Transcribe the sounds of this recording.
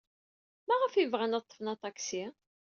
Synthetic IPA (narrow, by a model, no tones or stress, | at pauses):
mæʁəfivʁænɑt̪ˤːə̥fnɑt̪ˤɑksi